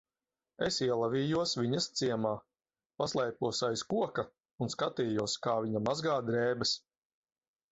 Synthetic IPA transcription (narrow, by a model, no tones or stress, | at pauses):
esiɛlˠavʲiːjuɔsviɲɐst̪siɛmaː | paslˠɛjpuɔsajskuɔka | unskat̪iːjuɔskaːviɲamazɡaːd̪ɾɛːbɐs